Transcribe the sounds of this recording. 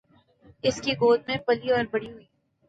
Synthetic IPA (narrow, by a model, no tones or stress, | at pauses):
ɪskiɡoːd̪̚mẽpɐliɔːɾbɐɽiɦʊiː